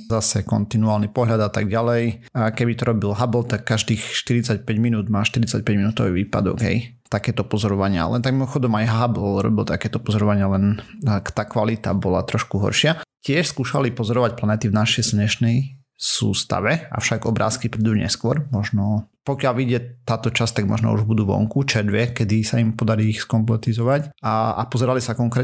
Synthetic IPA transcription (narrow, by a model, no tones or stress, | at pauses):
zasɛkɔ̰nt̪inuaːlˠnipɔɦʎad̪at̪aɡɟalɛj | kɛbit̪ɔɾɔbilɦablt̪akːaʒd̪iːxʃt̪iɾit͡sac̚pɛɟminuːd̪maːʃt̪iɾit͡sac̚pɛɟminuːt̪ɔʋiʋiːpa̰d̪ɔ̰ɡɦɛ̰j | t̪akɛːt̪ɔpɔzɔɾɔʋaɲɪa̰lɛnt̪aɡ̚mimɔxɔd̪ɔmajɦablɾɔ̰bilt̪akɛːt̪ɔpɔzɔɾɔʋaɲɪalɛnkt̪aːkʋalit̪a̰bɔla̰t̪ɾɔʃkuɦɔ̰ɾʃɪacɪɛʃskuːʃalipɔzɔɾɔʋac̚planɛt̪ivnaʃɛjsɲɛʃnɛj | sṵːst̪a̰ʋɛa̰fʃaɡɔbɾa̰ːskipɾɛd̪uɲɛ̰skwʊɔɾmɔʒnɔpɔkɪalʋiɟɛt̪aːt̪ɔt͡ʃast̪aɡ̚mɔ̰ʒnɔ̰ṵʒbud̪uːʋɔ̰ŋkut͡ʃɛɾd̪ʋɪɛkɛd̪isaimpɔd̪aɾiːxskɔmplɛt̪izɔʋacaa̰pɔzɛɾalisakɔŋkɾɛ